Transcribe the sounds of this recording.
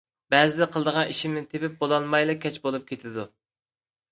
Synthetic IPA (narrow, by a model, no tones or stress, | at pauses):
bɛzɪd̪ɛqʰəlˠd̪əʁɑniʃimnɪt̪ʰepɪp̚bolˠɑlˠmɑjlˠɨkʲʰːɛt͡ʃbolˠup̚kʲʰet̪ʰɪd̪u